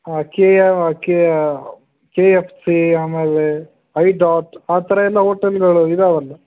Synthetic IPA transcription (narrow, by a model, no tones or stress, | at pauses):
aːkeeake | keepʰsiaːmeːle | ɐjɖaːʈaːt̪ʰɐɾɐɛlːɐɦoːʈɐlɡɐɭuid̪ɐʋɐlːɐ